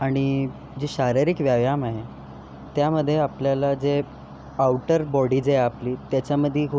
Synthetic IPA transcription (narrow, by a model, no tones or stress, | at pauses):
aɽ̃i | d͡ʑiɕaɾiɾikʋjaʋjamaɦe | t̪jaməd̪ʱːjeapljalad͡ze | awʈəɾbɔɽiːd͡zeapliːt̪jat͡ɕaməd̪ʱːjikʰu